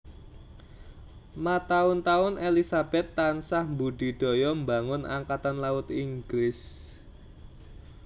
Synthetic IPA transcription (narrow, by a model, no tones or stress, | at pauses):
mat̪aʊnt̪aʊnelisab̥ɛt̪ːansahmbuɖ̥i̤ɖ̪̥o̤jɔmbaŋʊna̰ŋkat̪anlaʊt̪iŋɡlɪs